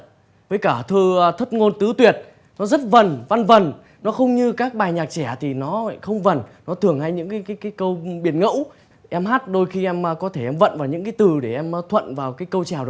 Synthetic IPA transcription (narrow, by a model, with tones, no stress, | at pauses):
vəː˨˦jkaː˧˩t̪ʰɨ˧t̪ʰə˦˥t̚ŋo˧nt̪ɨ˨˦t̪wi˨˩ət̚ | nɔ˨˦zə˦˥t̚və˨˩nva˧nvə˨˩n | nɔ˨˦xə˧wŋ͡mɲɨ˧kaː˦˥k̚ɓaː˨˩jɲaː˨˩k̚t͡ɕɛ˧˩t̪ʰi˨˩nɔ˨˦xə˧wŋ͡mvə˨˩nnɔ˨˦t̪ʰɨ˨˩əŋha˧jɲɨ̰˧˥ŋkaː˨˦jkaː˨˦jkaː˨˦jkə˧wɓi˨˩ənŋə̰˧˥w | ʔɛ˧mɦaː˦˥t̚ɗo˧jxi˧ʔɛ˧mː˧kɔ˨˦t̪ʰe˧˩ʔɛ˧mvə̰˧˨nvaː˨˩wɲɨ̰˧˥ŋk̬aː˨˦jt̪ɨ˨˩ɗe˧˩ʔɛ˧m˧˦t̪ʰwə̰˧˨nvaː˨˩wkaː˨˦jkə˧wt͡ɕɛ˨˩wɗ